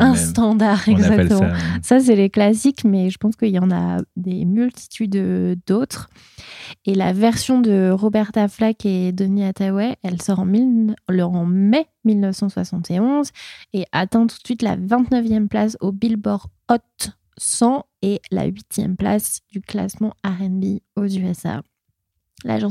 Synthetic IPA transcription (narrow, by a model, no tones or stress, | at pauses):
ɛ̃st̪ɑ̃d̪aʁɛɡzakt̪əmɑ̃sas̬ɛleklasikmɛʒəpɑ̃skəilɑ̃na̰d̪emylt̪ʰi̥t̪ʰyd̪d̪ot̪χ | ela̰vɛʁsjɔ̃d̪əʁɔbɛʁt̪aflaked̪ɔniat̪awɛʔɛlsɔʁɑ̃milɔɑ̃mɛ | milnəfsɑ̃swa̰sɑ̃t̪eɔ̃zeʔat̪ɛ̃t̪u̥t̪sɥit̪la̰vɛ̃t̪nəvjɛmplasobilbɔʁɔt̪ | sɑ̃ | ela̰ɥit̪jɛ̰mpla̰sd̪̥ykla̰smɑ̃aʁɛnbiozyɛsa̰ | la̰ʒɑ̃